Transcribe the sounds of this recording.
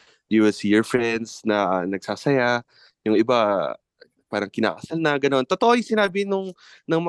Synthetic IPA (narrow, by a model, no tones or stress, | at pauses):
juwɪlsijɔɹfɹɛnd̪snɐʔanɐɡ̚saːsɐja | jʊŋʔɪba | paːɾɐŋkɪna̰ːkɐsalnɐɡɐno̞nt̪ot̪oʔojsɪnaːbɪnʊŋ | nɐŋmɐ